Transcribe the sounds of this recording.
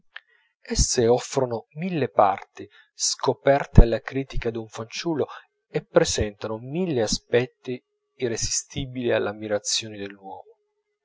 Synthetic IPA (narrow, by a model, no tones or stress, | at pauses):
ɛsːeɔfːɾonomilːepa̰rt̪i | skopɛrt̪ealːakɾiːt̪ikad̪uɱfant͡ʃuːlːo | epːɾezɛnt̪anomilːeaspɛt̪ːiː | rezist̪iːbilialːamːiɾat̪sːjoːned̪elːwɔːmo